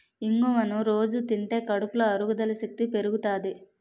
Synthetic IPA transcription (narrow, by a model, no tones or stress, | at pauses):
iŋɡumɐnuɾo̞ːd͡ʒut̪iɳʈe̞ːkɐɽupulɐɐɾuɡud̪ɐlɐsek̚t̪ipe̞ɾuɡut̪aːd̪i